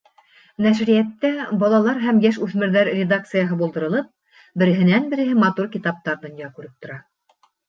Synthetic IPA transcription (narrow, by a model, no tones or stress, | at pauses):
næʃɾijæt̪ːæbɒlˠɑlˠɑɾɦæmjæʃʉθmɘ̆ɾðæɾrʲed̪ak̚t̪sɨjɑɦɤbulˠd̪ɤ̆ɾɤ̆lˠɤp̚ | bɘ̆ɾɘ̆ɦɘ̆nænbɘ̆ɾɘ̆ɦɘmɑt̪uɾkit̪ɑp̚t̪ɑɾd̪ŏnjɑkʉɾɘp̚t̪ŏɾɑ